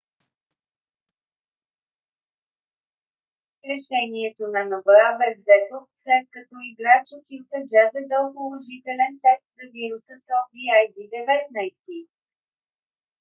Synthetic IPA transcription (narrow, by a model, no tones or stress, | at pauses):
ɾɛʃɛniɛt̪onɐnovəabɛvzɛt̪oslɛt̪̚kɐt̪ɔiɡɾat͡ʃot̪ilk̪əd͡ʒazɛd̪əlˠpolˠoʒit̪ɛlɛnt̪ɛst̪zɐviɾusəsɔviajd̪id̪ɛvɛt̪̚najst̪i